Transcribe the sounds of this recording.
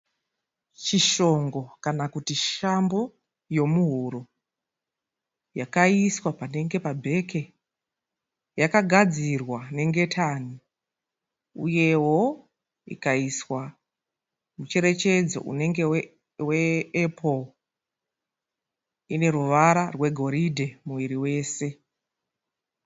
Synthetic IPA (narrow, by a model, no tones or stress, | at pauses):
t͡ʃiʃo̞ŋɡo̞kanakutiʃambo̞ | jo̞muɦuɾo | jakaiswapane̞ŋɡe̞pabʱe̞ke | jakaɡʱad͡zirwane̞ŋɡe̞tʰani | ṵje̞wo̞ | ḭkaiswa | mut͡ʃe̞ɾe̞t͡ʃe̞d͡zo̰ʔṵne̞ŋɡe | weːpʰo | ine̞ɾuʋaɾarwe̞ɡʱo̞ɾidʱemuʋiɾiwe̞ːse̞